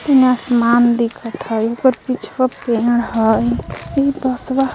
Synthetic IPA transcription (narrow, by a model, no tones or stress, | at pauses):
t̪əneasmand̪ikʰət̪ɦəjokəɾpit͡ʃʰpəpeɽɦəjibəsba